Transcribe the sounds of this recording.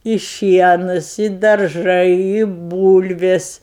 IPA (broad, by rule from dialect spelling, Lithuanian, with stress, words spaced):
ɪ ˈʃʲiɛnʊs ɪ dɐrˈʒɐɪ ɪ ˈbuːlʲʋʲeːs